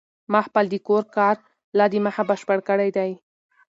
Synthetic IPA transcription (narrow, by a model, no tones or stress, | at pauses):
maxpald̪ikoɾkɑɾ | lɑd̪imahabəʃpəɽkəɽajd̪aj